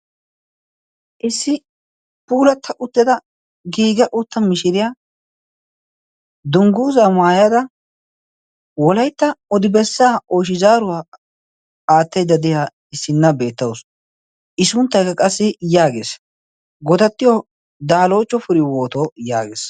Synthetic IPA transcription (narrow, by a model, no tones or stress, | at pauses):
ʔɪsːɪ | puːlɐt̪ʰːɐʔʊt̪ːɛd̪ɐ | ɡiːɡɐʔʊt̪ːɐmɪʃɪɾɪjaː | d̪ʊŋɡuːzamaːjad̪ɐ | wɔlɐjt̪ːɐɔd̪ɪbɛsːaːʔoːʃɪzaːɾʊwaː | aːt̪ːɛjd̪ːɐd̪ɪja | ɪsːɪnːɐbe̞ːt̪ːɐwʊs | ʔɪsʊnt̪ːɐjkɐkʼɐsːɪjaːɡeːs | ɡɔd̪ɐt̪ːɪjɔ | d̪aːlo̞ːt͡ʃːɔfʊɾɪwo̞ːt̪oja̰ːɡḛːs